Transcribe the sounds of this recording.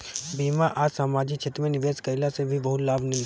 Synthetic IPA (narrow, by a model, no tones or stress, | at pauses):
biːmaʔaːsaːmaːd͡ʒɪk̚t͡ʃʰet̪ɾəmẽnɪʋeːskɐɪlasebʱibɐɦʊt̪laːbʱnɪ̃n